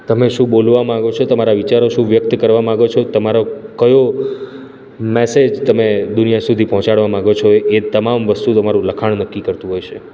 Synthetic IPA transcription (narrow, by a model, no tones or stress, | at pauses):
t̪əmeʃũbolʋamãɡot͡ʃʰot̪əmaɾaʋit͡ʃaɾoʃũʋjək̚t̪kəɾʋamãɡot͡ʃʰot̪əmaɾokəjo | mesed͡ʒt̪əmed̪unijasud̪ʱipɔɦɔ̃t͡ʃaɽʋamãɡot͡ʃʰoet̪əmamʋəst̪ut̪əmaɾũləkʰaɳnəkːikəɾt̪ũɦojt͡ʃʰe